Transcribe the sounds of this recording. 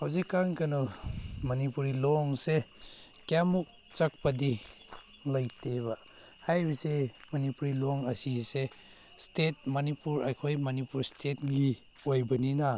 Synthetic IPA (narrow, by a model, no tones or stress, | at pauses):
hawzikːaŋkanɔmɐnipuɾilɔŋse | kamuk̚ | t͡ʃɐk̚padi | lajteβa | hajbisemɐnipuɾilɔŋasise | stet̚mɐnipuɾajkʰojmɐnipuɾstʰet̚ɡi | ojbɐnina